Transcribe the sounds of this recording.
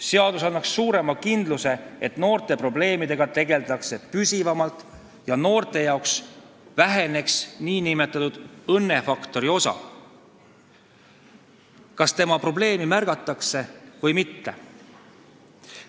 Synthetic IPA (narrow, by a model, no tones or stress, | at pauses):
se̞ɑd̪̥usɑnːɑksːuːɾe̞mɑkind̪̥luse̞et̪no̞ːɾt̪e̞pro̞ble̞ːmid̪̥e̞ɡ̥ɑt̪e̞ɡe̞ld̪ɑkse̞pysʲivɑmɑlt̪ˑ | jɑno̞ːrt̪ˑe̞jɑoksvæɦe̞ne̞ksniːnime̞t̪ːˑɑt̪ud̪̥ɤnːe̞fɑkt̪o̞ɾio̞sɑ̰ | kɑst̪e̞mɑpro̞ble̞ːmimærɡ̥ɑt̪ːˑɑkse̞vɯjmit̪ːe̞̰